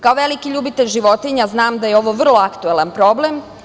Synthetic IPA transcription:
kaoʋe̞likiʎuːbit̪eʎʒiʋo̞t̪iɲaznaːmd̪ajeo̞ʋo̞ʋr̩lˠo̞akt̪uelanpɾo̞blem

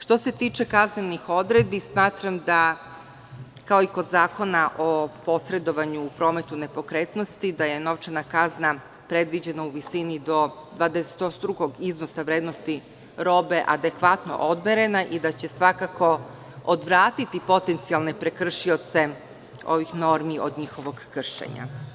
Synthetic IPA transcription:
ʂt̪o̞se̞t̪iːt͡ʃe̞kaznenixo̞d̪ɾed̪̚bismaːt̪ɾamd̪a | kaoiko̞d̪zaːko̞naʔopo̞sɾe̞d̪o̞ʋaɲupɾoːme̞t̪une̞po̞kɾeːt̪no̞st̪id̪aje̞no̞ʋt͡ʃanakazna | pɾe̞d̪ʋid͡ʑe̞nauʋisinid̪o̞d̪ʋaːd̪ese̥t̪osd̪ɾuɡoɡizno̞saʋɾeːd̪nost̪i | ɾo̞ːbe̞ʔad̪e̞kʋat̪no̞̰ʔod̪beɾe̞naʔid̪at͡ɕe̞sʋakako̞ | od̪ʋɾaːt̪it̪ipo̞t̪e̞nt̪sialˠne̞pɾekr̩ʃio̞t̪se̞ | o̞̰ʋixno̞ɾmiʔod̪ɲixo̞ʋo̞ɡkr̩ʃḛɲa̰

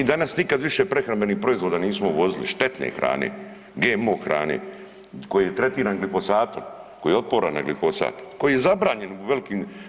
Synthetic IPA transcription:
id̪anasnikad̪ʋiʃepɾexɾambe̞nihpɾo̞izʋoːd̪aːniːsmoʋo̞zilḭʃt̪et̪nḛxɾa̰ːnḛ | ɡeːmoːxɾa̰ːnḛ | ko̞jijet̪ɾe̞t̪iːɾaːnɡlifo̞saːt̪oɾko̞jiːeo̞t̪̚poːɾa̰na̰ɡlifo̞sa̰ːt̪ko̞jijezabɾaːɲe̞nʋe̞likiːm

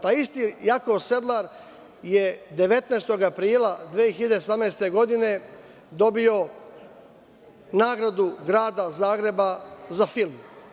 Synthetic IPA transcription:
t̪aːjist̪ijakose̞d̪lˠaɾ | jed̪e̞ʋe̞t̪neːst̪o̞ɡapɾiːlad̪ʋeːeçiʎed̪esamneːst̪e̞ɡo̞d̪ine̞ | d̪o̞bio̞ | naːɡɾad̪uɡɾaːd̪azaːɡɾe̞bazafilˠm

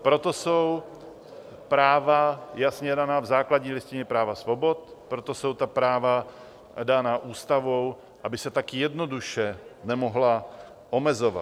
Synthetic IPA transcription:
pɾo̞t̪o̞sow | pɾaːvajasɲɛdanaːvzaːklaɟɲiːlɪscɪɲɛpɾaːvasvobo̞t̪pɾot̪o̞so̞wt̪apɾaːva | danaːʔuːst̪avo̞w | ʔabɪsɛt̪akjɛdno̞duʃɛnɛmoɦla | ʔomɛzo̞va̰t̪

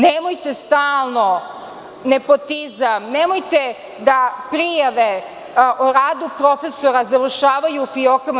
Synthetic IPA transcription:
nemojt̪e̞st̪aːlˠno | ne̞po̞t̪izamnemojt̪e | d̪apɾijaʋe̞ | ʔoɾaːd̪upɾo̞fe̞soɾazaʋr̩ʃaːʋajufiokam

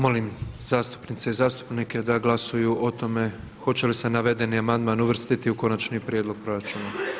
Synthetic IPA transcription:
mo̞limzaːst̪u̥pnit̪se̞izaːst̪u̥pnike̞d̪aɡlasujuʔo̞t̪o̞me̞ | xo̞t͡ɕe̞lisenaʋe̞d̪e̞niamand̪maːnuʋr̩st̪it̪iuko̞nat͡ɕnipɾʲjed̪lo̞ɡ̚pɾo̞ɾat͡ʃuna

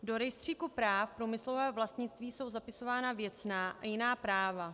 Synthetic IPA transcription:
do̞ɾɛjst̪r̝̥iːkupɾaːfpɾuːmɪslo̞vɛːvlast̪ɲɪt͡st̪viːso̞wzapɪso̞vaːnavjɛt͡snaːʔajɪnaːpɾaːva

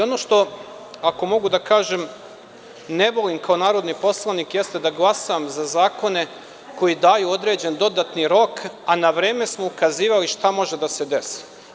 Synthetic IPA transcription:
o̞no̞ːʃt̪o̞ | ako̞mo̞ɡud̪akaːʒem | ne̞bo̞limkaonaːɾo̞d̪nipo̞slˠanikjest̪ed̪aɡlˠasamzazaːko̞ne̞ | ko̞jid̪aːjuo̞d̪ɾe̞ːd͡ʑe̞nd̪o̞d̪at̪niɾo̞kanaʋɾe̞ːme̞smo̞ukaziːʋaliʃt̪amo̞ʒe̞d̪ase̞d̪e̞se̥

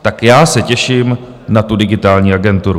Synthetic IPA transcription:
t̪akjaːsɛcɛʃiːm | nat̪udɪɡɪt̪aːlɲiːaɡɛnt̪uɾu

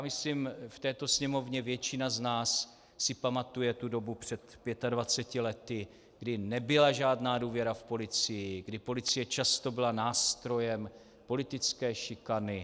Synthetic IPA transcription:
jamɪslimft̪ɛːt̪o̞sɲɛmo̞vɲɛvjɛt͡ʃɪnaznaːsː | ɪpamat̪ujɛt̪udo̞bupr̝̥ɛt̪pjɛt̪advat͡sɛcɪlɛt̪ɪ | ɡdɪnɛbɪlaʒaːdnaːduːvjɛɾafpo̞lɪt͡sɪjɪɡdɪpo̞lɪt͡sɪjɛt͡ʃast̪o̞bɪlanaːst̪ɾo̞jɛm | po̞lɪt̪ɪt͡skɛːʃɪkanɪ

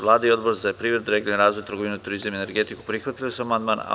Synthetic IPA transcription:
lˠaːd̪aio̞d̪boɾzapɾiːʋɾed̪uɾeɡilnenɾaːzʋojt̪ɾɡo̞ʋinut̪uɾizamiene̞ɾɡet̪iku̥pɾixʋat̪ilisuamand̪maːna̰

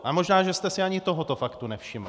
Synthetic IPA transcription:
ʔamo̞ʒnaːʒɛst̪ɛsɪaɲɪt̪o̞ɦo̞t̪o̞fakt̪unɛfʃɪml

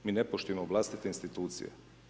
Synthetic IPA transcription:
miːnepoʃt̪ujemoʋlˠast̪it̪einst̪it̪uːt̪sḭjḛ

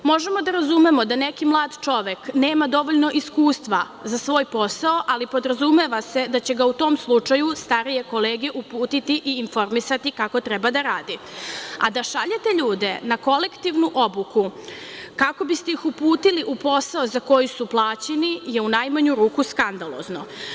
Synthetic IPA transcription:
mo̞ʒe̞mo̞d̪aɾazume̞mo̞d̪anekimlˠaːd̪t͡ʃo̞ʋekne̞ːmad̪o̞ʋo̞ʎno̞ʔiskuːst̪ʋa | zasʋo̞ːjpo̞saoʔalipo̞d̪ɾazume̞ʋase̞d̪at͡ɕe̞ɡaut̪o̞ːmslˠut͡ʂajust̪aɾije̞ko̞leːɡe̞ʔupuːt̪it̪iʔiːnfo̞ɾmisat̪ikako̞t̪ɾɛbad̪aɾaːd̪ia̰d̪aʃaʎe̞t̪e̞ʎuːd̪e̞nako̞le̞kt̪iʋnuʔo̞buku | kako̞bist̪ejixupuːt̪iliʔupo̞saozako̞jusuplˠaːt͡ɕenije̞unajmaɲuɾuːkuskand̪alˠo̞̰zno̞

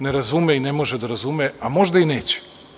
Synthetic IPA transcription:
neɾazumeinemo̞ʒed̪aɾazumeamo̞ʒd̪aine̞ːt͡ɕe̥

